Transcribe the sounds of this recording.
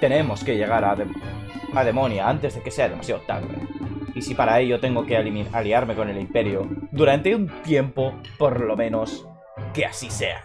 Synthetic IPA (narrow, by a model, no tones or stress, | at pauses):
t̪e̞ne̞mo̞ske̞ʝe̞ɣ̞aɾaðeað̞e̞mõ̞njaant̪ezðe̞ke̞se̞aðe̞ma̰sjaot̪a̰βlḛisipaɾae̞ʎo̞t̪e̞ŋɡo̞ke̞alimaliaɾme̞ko̞ne̞limpe̞ɾjod̪uɾant̪e̞unt̪je̞mpo̞po̞ɾlo̞mẽ̞no̞s | kea̰sise̞̰a̰